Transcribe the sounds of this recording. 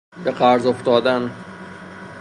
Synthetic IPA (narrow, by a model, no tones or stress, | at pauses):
beqæɾzoft̪ɒːd̪æn